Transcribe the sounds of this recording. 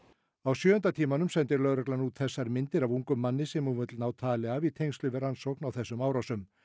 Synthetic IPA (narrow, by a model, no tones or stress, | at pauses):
awsjœːʏnt̪at̪ʰiːmanʏmsɛnt̪ɪɾlœðɾœklanuːt̪θɛsːaɾmɪnt̪ɪɾavuŋkʏmːanːɪsɛmuvʏt̪lnaːwt̪ʰaːlɪavit̪ʰejŋst̪lʏvɪɾansowknawθɛsːʏmaːwɾawsʏm